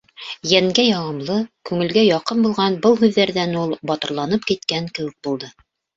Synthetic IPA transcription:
jæŋɡæjɑʁɤ̆mlˠɤkʉŋɘ̆lɡæjɑqɤnbulˠʁɑnbɤlˠɦʉðːæɾðænulˠbɒt̪ɤ̆ɾlˠɑnɤp̚kit̪kæŋkɘ̆wɘ̆k̚bulˠd̪ɤ

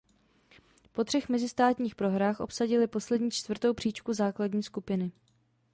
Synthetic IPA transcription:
po̞t̪r̥ɛxmɛzɪst̪aːt̪ɲiːxpɾo̞ɦɾaːxʔo̞psaɟɪlɪpo̞slɛdɲiːt͡ʃt̪vr̩t̪o̞wpr̥iːt͡ʃkuzaːkladɲiːskupɪnɪ

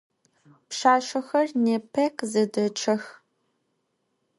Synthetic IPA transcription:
pʃaːʃɐxɐrneːpʰɐkʼzɐdɐt͡ʃʰɐx

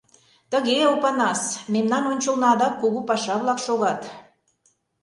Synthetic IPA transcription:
t̪əɣeopɑnɑsmemnɑnonʲt͡ɕə̆lnɑd̪ɑkːuɣupɑʃɑβlɑkʃoɣɑt̪

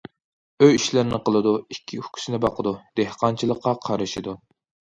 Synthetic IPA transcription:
øjiʃlɪɾnɪqʰəlˠɨd̪uikʲʰːiu̥kʲʰy̥sɪnɪbɑqʰəd̪ud̪̥ehqɑnt͡ʃʰilˠəqːɑqʰɑɾɨʃid̪u

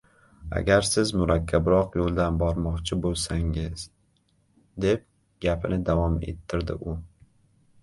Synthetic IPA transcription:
a̰ɡʲaɾsɪzmʊɾakʲʰːabɾɒqjolˠd̪anbɒɾmɒqt͡ʃʰɪbolˠsaŋɪz̥ | d̪e̞p̚ | ɡʲapʰɪnɪd̪avɒme̞̰t̪ʰːɪɾd̪ɪ̰ʔʊ

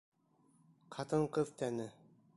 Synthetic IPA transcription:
qʰɑt̪ɤɴqɤðt̪ænɘ

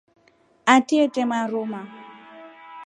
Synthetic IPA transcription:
atʼiɛtʼɛmaɾʊma

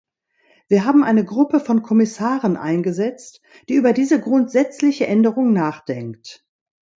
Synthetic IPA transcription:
v̥iːɐɦaːbm̩ʔaɪnəɡʁʊpəfɔnkʰɔmɪsaːʁənʔa̰ɪnɡəzɛt͡st | d̥iːʔyːbɐdiːzəɡʁʊntz̥ɛt͡slɪçəʔɛndəʁʊŋnaːχd̥ɛŋkt

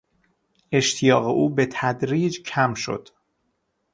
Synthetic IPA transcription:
ʔe̞ʃt̪ʰijɒːɣeʔuːbet̪ʰæd̪ɾiːd͡ʒcʰæmʃo̞̰d̪̥

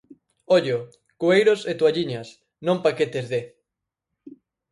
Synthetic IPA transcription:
oʎo | kuejɾoset̪waʎiɲɐs | nõmpaket̪ezðe

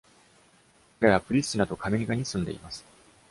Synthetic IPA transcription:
ɾaβapɯ̟ɾʲisinat̪o̞kʰameɾʲiɡaɲ̟isɨ̃nd̪e̞̰ḭmasɨ̥

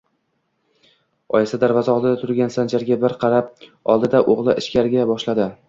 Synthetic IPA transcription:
ɒjɪsad̪aɾvɒzɒlˠd̪ɪd̪at̪ʰʊɾɡʲansand͡ʒaɾɡʲabɪɾqʰɑɾap̚ɒ̰lˠd̪ɪd̪aʔoʁlˠɪʔɪʃkʲaɾɪɡʲabɒʃlad̪ɪ

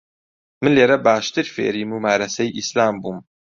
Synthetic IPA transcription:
mɨnleːɾɐbaːʃt̪ɨɾfḛːɾiːmuːmaːɾɐsɛjʔislaːmbuːm

